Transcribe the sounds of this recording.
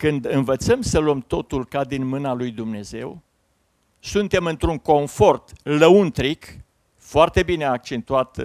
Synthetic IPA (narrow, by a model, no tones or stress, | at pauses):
kɨnd̪ɨnvət̪səmsəluəmt̪o̞t̪ulkad̪inmɨnalujd̪umne̞ze̞̰w | sunt̪e̞mɨnt̪ɾuŋko̞ɱfo̞rt̪ləunt̪ɾik | foart̪e̞bine̞ak̚t͡ʃe̞nt̪uat̪